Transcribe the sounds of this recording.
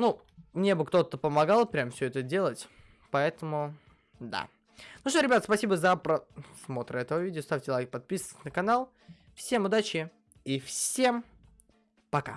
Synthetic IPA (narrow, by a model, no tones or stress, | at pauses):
nu | mnʲe̞bɨkt̪o̞t̪ːəpəmɐɡalˠpɾʲamfsʲɵɛt̪ədʲe̞lˠətʲ | pɐɛt̪əmʊ | d̪a̰ | nʊʂt̪oɾʲɪbʲat̪əspɐsʲibəzəpɾɐsmo̞t̪ɾəɛt̪əvəvʲidʲɪost̪afʲtʲɪlˠɐɛk̚pɐt̪̚pʲisʋtʲnəkɐnalˠ | fsʲe̞mʊd̪at͡ɕɪ | ifsʲe̞m | pɐka̰